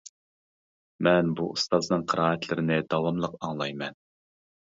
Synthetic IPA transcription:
mɛnbuṵst̪ɑznɨŋqʰəɾɑːɛt̪ʰlɪɾɪnɪd̪ɑwɑmlˠəqɑŋlˠɑjmɛn

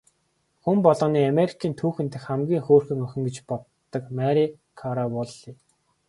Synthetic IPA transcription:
xumpɔɮɔ̆ːniːameɾikʰiːnt̪ʰuːxɘ̆nt̪ɘ̆xæmɡʲiːŋxoːrxɘ̆ŋɵxʲɪ̆ŋɡĕt͡ɕpɔt̪ːɞ̆kmæɾi | kʰaɾawɔɮiː

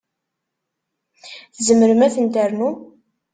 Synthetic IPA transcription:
θəzəməɾəmæθənd̪æɾnu

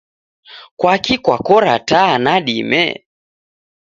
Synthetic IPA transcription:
kwakikwakɔɾa̰tanaɗimɛ̰

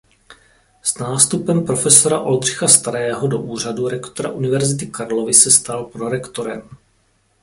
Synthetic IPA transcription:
snaːst̪upɛmpɾo̞fɛso̞ɾaʔo̞ld̪r̝ɪxast̪aɾɛːɦodo̞ʔuːr̝aduɾɛkt̪oɾa̰ʔunɪvɛɾzɪt̪ɪkaɾlovɪsɛst̪alpɾoɾɛkt̪o̞ɾɛm

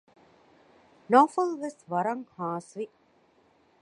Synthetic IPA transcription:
noːfəlʋɐsʋɐɾɐŋhaːsʋi

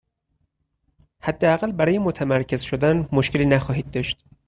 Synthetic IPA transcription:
hæd̪ːeæɣælbæɾɒːjemot̪ʰæmæɾcʰe̞zʃod̪ænmoʃkeliːnæxɒːɦiːd̪̚d̪ɒʃt̪

